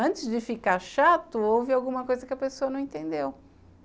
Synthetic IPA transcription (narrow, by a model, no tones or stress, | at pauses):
ɐ̃t͡ʃɪzd͡ʒɪfikaɾʃat̪ʊowvɪawɡũmɐkojzɐkɪɐpesoɐnɐ̃w̃ẽt̪ẽnd̪ew